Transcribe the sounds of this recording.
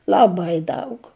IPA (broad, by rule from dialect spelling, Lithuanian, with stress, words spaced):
lˠɐˈbɐɪ ˈdɐʊk